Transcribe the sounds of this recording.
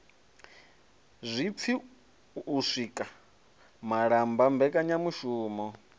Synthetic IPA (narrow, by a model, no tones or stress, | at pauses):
zʷip̪fʰi | uʂʷikʼa | maɺambambɛkʼaɲamuʃuːmɔ